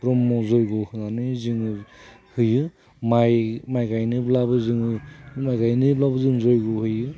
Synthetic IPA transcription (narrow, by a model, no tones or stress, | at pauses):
ɾɔmːɔzɔjɡɔhɯnanɯziŋ | hɯjɯ | majmajɡajnɯblabɯziŋɯmajɡajnɯlɔbɯzɯŋzojɡɔhɯjɯ